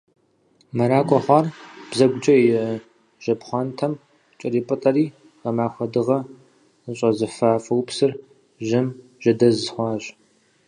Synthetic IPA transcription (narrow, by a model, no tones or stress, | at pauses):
mɐɾaːkʷʼɔχʷɑːrb̥zɐɡʷʊd͡ʒʼɐjɪ | ʒ̥ɐbχʷɑntʰɐm | t͡ʃʼɪriːpʼɨtʼɐriː | ʁɐmaːxʷɐdɨʁɐ | ɕʷʼɐzɨfaːfɐwpsɨr | ʒɪm | ʒ̥ɐdɐzχʷɑːɕ